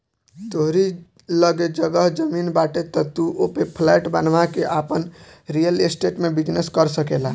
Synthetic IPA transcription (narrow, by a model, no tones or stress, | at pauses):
t̪oɦɾi | ləɡed͡ʒəɡəɦd͡ʒəminbaʈet̪ɔt̪uʔopepʰlɛʈbanʋakeʔapənɾijəlesʈeʈmebid͡ʒneskəɾsəkelaɦ